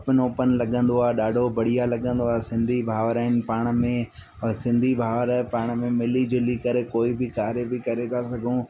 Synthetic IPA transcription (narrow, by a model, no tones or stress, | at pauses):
ɐpɪnoːpənɪ̆lɐɠə̃nd̪oaːɦeɗaːɖʱobɐɽ̤ijalɐɠə̃nd̪oaːesɪ̃nd̪ʱibʱaːʋɾaːɪnɪ̆paːɽ̃̆mẽ | sɪ̃nd̪ʱibʱaːʋɾaɪpaːɽ̃mẽmɪlid͡ʑɪlikɐɾekoːibɪkaːɾebɪkɐɾet̪ʰasɐɡʱũː